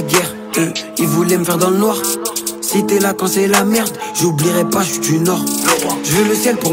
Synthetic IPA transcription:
ɡɛʁ | əilvulɛməfɛʁd̪ɑ̃lənwaʁsit̪ɛlakɑ̃sɛlamɛʁd̪ʒubliʁɛpaʒəfit̪ynɔʁʒəvɛləsjɛlpuʁ

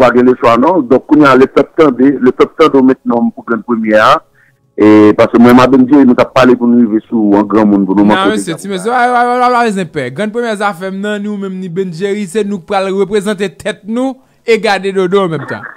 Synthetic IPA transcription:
paɡɛ̃leswanɔ̃d̪ɔ̃kːũnjalepœp̚t̪ɐ̃d̪eløpœp̚t̪ɐ̃d̪eomɛ̃t̪̚nɔ̃mpuɡʁɐ̃d̪̚pemjɛa | epaskømw̃ɛ̃mabɛ̃nd͡ʒeɣinũt̪apːalepunũɣivesuãɡʁɐ̃mũnpunũmãakeeset͡simɛs̬eaawaalalezɛ̃pɛɡʁɐ̃d̪̚pɣemjɛzafɛmnɐ̃nĩmɛ̃mnĩbɛ̃nd͡ʒeʁisenũpʁalʁøpʁezɑ̃t̪̬et̪ʰɛt̪̚nũ | eɡadedodɔ̃ãmɛ̃mt̪ɐ̰̃

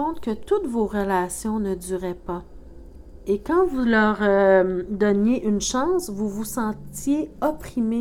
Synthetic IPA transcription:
ɔ̃t̪kət̪ut̪voʁəlasjɔ̃nəd̪yːʁɛpa | ekɑ̃vulœːʁød̪ɔnjeʔynʃɑ̃ːsvuvusɑ̃t̪jeɔpχime

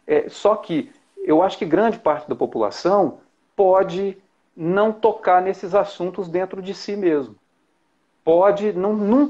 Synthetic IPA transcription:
ɛsɔkʰɪ | ewaʃʊ̥kɪɡɾɐ̃d͡ʒɪpaɾt͡ʃɪd̪ɐpopula̰sɐ̃w̃ | pɔd͡ʒɪ | nɐ̃w̃t̪okaɾnesɪzasũnt̪ʊzd̪ẽnt̪ɾʊd͡ʒɪsimezmʊ | pɔd͡ʒɪnɐ̃w̃nũ

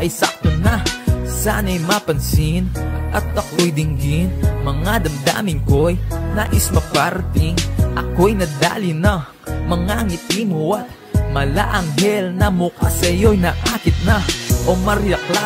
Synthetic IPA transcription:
ʔɐjsɐ̰k̚t̪onasanɐjmapɐnsinʔɐt̪̚ːɐkojd̪ɪŋɡinmɐŋad̪ɐmd̪a̰ːmɪŋkojnaʔɪsmɐpaɾɐt̪ɪŋʔɐkojnɐd̪a̰ːlɪnɐ | mɐŋaŋɪt̪imuwa | mɐla̰ʔɐŋɦɛlnɐmʊkasɐjojnɐʔaːkɪt̪̚nɐʔo̞mɐɾjɐkla

